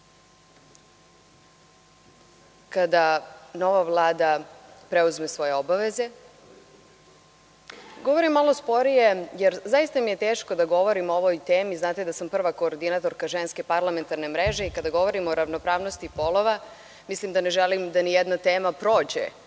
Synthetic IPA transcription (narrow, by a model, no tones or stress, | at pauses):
kad̪ano̞ʋavlˠaːd̪apɾeuzme̞sʋo̞je̞obaʋeze̞ | ɡo̞ʋo̞ɾimːalo̞spo̞ɾije̞jeɾzajist̪amije̞t̪eːʃko̞d̪aɡo̞ʋo̞ɾimooʋojt̪eːmiznaːt̪ed̪asampr̩ʋako̞ːɾd̪inat̪o̞ɾkaʒenskepaɾlˠame̞nt̪aɾne̞mɾeʒe̞ikad̪aɡo̞ʋo̞ɾimo̞ɾaʋno̞pɾaːʋno̞st̪ipo̞loʋa | mislimd̪aneʒɛlimd̪anijɛd̪nat̪eːmapɾo̞ːd͡ʑḛ